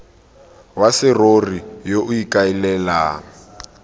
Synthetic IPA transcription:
wasɪrorijoʔʊikʼailɛːlaː

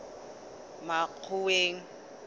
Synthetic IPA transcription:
mak͡xʰʊweːŋ̩

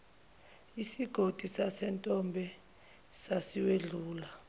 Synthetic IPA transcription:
isiɡ̥ʱod̥ʱisasɛntʼɔmbʱɛ | sasiweɮuːla

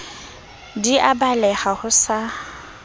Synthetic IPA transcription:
diʔabalɛχahʊsa

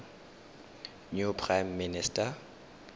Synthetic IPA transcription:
nupʰrajmːɪnɪsta

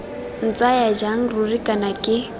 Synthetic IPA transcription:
n̩t͡sʼajad͡ʒaŋ̩rurikʼanakʼɪ

